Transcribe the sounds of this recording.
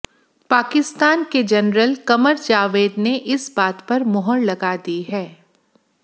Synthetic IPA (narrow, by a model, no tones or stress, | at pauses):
paːkɪst̪aːnked͡ʒɐnɾəlkɐməɾd͡ʒaːʋeːd̪neʔɪsbaːt̪pɐɾmɔɦɔllɐɡaːd̪iɦɛː